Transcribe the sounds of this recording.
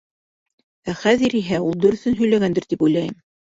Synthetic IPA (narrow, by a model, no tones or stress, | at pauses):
æχæðɘɾiɦæulˠd̪ɵ̆ɾɵ̆θɵnɦɵ̆jlæɡænd̪ɘɾt̪ipujlˠɑjɘm